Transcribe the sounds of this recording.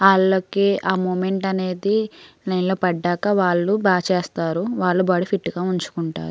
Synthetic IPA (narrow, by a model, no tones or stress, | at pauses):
aːɭːokeːʔaːmoːmeɳʈɐne̞ːd̪inɐjnloːpɐɖːaːkɐʋaːɭːubaːt͡ʃeːst̪aːɾuʋaːɭːubaːɽipʰiʈːɡaːuɲt͡ʃu̥kuɳʈa̰ːɾu